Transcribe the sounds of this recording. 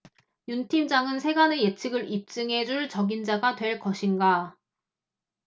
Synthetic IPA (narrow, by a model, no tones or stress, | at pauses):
juntʰimd͡ʑaŋɯnsʰe̞ɡaneje̞t͡ɕʰɯɡɯɾip̚t͡ɕ͈ɯŋɦe̞d͡ʑuɭt͡ɕʌɡind͡ʑaɡatwe̞ɭk͈ʌɕʰinɡa